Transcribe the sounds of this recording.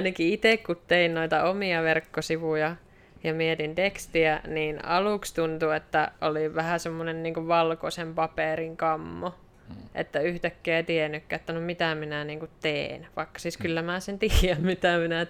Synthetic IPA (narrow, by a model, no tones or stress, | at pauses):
nækiit̪ekkut̪teinnoit̪ɑomiɑʋerkːosiʋujɑ | jɑmiet̪int̪ekst̪iæniːnɑlukst̪unt̪uet̪ːæʔoliʋʋæhæsemːonenniːŋkuʋʋɑlkosempɑperiŋkɑmːo | ʔḛt̪ːæyht̪ækːeːt̪ienːykːæet̪ːænomit̪æminæniːŋkut̪t̪eːnʋɑikːɑ̥siːskylːæmæːsent̪iːjæmmit̪æminæ